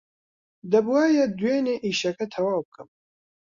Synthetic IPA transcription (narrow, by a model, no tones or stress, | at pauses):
d̪ɐbuaːjɛd̪wjeːneːʔiːʃɛkɛt̪ʰɛwaːbɨkɨm